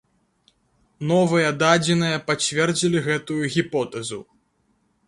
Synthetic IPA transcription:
nɔvɨjɐd̪ad͡zʲɛnɨjɐpat͡sʲvʲɛrd͡zʲilʲiɣɛt̪ujuɣʲipɔt̪ɐzṵ

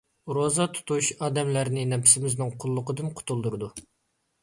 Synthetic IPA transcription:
ɾozɑt̪ʰu̥t̪uʃɑːd̪ɛmlæɾnɪnɛpʰɪ̥sɪmɪznɪŋqʰʊlˠːʊqəd̪ɨmqʰʊ̥t̪ʰulˠd̪uɾɨd̪u

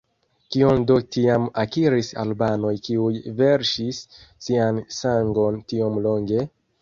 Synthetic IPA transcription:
kiondotiamakiɾisa̰lbano̞jkiujve̞ɾʃisːiansaŋɡo̞ntio̞mlo̞ŋɡe̞

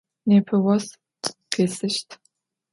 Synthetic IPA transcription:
neːpʰɨwɔs | qʰeːsɨʃtʰ

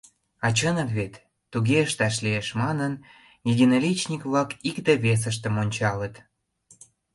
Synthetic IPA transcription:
ɑt͡ɕənəkβet̪ː | uɣeəʃt̪ɑʃlieʃmɑnən | jed̪ʲinolit͡ɕnʲikβlɑkikd̪eβes̬əʃ̬t̪ə̆monʲt͡ɕɑlət̪

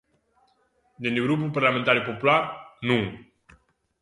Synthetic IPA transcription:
d̪eneɡɾup̬ulparlament̪aɾepopularnu

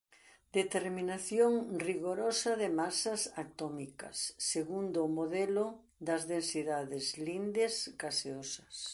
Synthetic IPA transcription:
d̪et̪eɾminaθjoŋriɣoɾɔsɐðɪmasɐsat̪ɔmikɐ̰sːeɣund̪ːmoðelʊ | d̪ɐzðensiðaðɪzlind̪eskaseosɐs

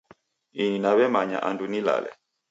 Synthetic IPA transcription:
ininaβɛmaɲa̰ʔandunila̰lɛ̰

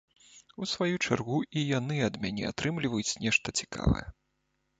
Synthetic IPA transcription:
usvajut͡ʂarɣuʔijanɨɐd̪mʲanʲɛ̰a̰t̪ɾɨmlʲivɐjut͡sʲnʲɛʂt̪ɐt͡sʲi̥ka̰vɐ̰jɛ̰

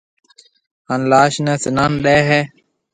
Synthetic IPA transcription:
hanlaːʃnɛːsɪnaːnɗeːɦɛː

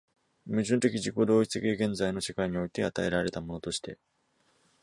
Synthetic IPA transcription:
mɯ̟ʑɨ̃nt̪e̞k̬ʲiʑiko̞d̪o̞ːit͡sɨt̪ekʲieɡẽ̞nzaino̞ɕekaiɲ̟io̞it̪e̞at̪ae̞ɾaɾe̞t̪amo̞no̞t̪o̞ɕi̥t̪e̞̰

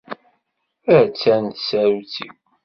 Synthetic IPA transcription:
ət͡sːænt̪sæɾut͡siw

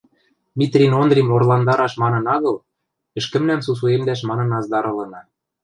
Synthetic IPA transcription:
mʲit̪rʲinond̪rʲimorlɑnd̪ɑɾɑʃmɑnɤ̆nɑɣɤ̆l | ɘ̆ʃkɘ̆mnæmsus̬uemd̪æʃ̬mɑnɤ̆nɑzd̪ɑɾɤ̆lɤ̆nɑ

